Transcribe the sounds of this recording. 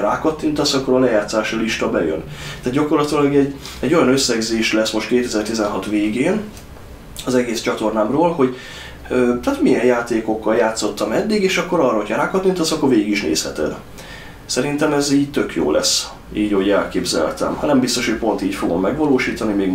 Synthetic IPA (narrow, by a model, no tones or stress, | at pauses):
ɾaːkɒt̪ːint̪ɒsɒkːo̞ɾɒlɛjaːt̪saːʃiliʃt̪ɒbɛjø̰nt̪aːd̪̚ɟɒko̞rlɒt̪ilɒɡɛɟːɛɟːo̞jɒnøsːɛɡzeːʃlɛsmo̞ʃt̪keːt̪ɛzɛrt̪izɛnɦɒt̪ʋeːɡeːn | ɒzɛɡeːst͡ʃɒt̪o̞rnaːmroːlho̞ɟ | øːt̪aːt̪mijɛnjaːt̪eːko̞kːɒljaːt̪so̞t̪ːɒmɛd̪ːiɡeːʃɒkːo̞ɾɒːrːɒɦo̞cʰɒɾaːkɒt̪ːint̪ɒsɒkːoɾveːɡiɡiʃnḛːshɛt̪ɛ̰d̪ | sɛɾint̪ɛmɛziːɟt̪ø̞kjo̰ːlʔɛ̰s | iːɟɒɦoɟɛlkeːbzɛ̰lt̪ɛ̰mhɒnɛmbist̪o̞ʃho̞c̚po̞nt̪iːcfo̞ɡo̞̰mːɛɡʋɒloːʃiːt̪ɒnimeːɡ